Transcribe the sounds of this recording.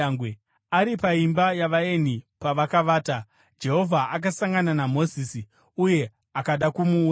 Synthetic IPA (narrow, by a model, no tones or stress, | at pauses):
ŋɡwe | aɾipaimbajaʋae̞nipaʋakaʋaːta | d͡ʒe̞ɦo̞vʱaʔak̬asaŋɡananamo̞zisi | uje̞ | akaɗakumuː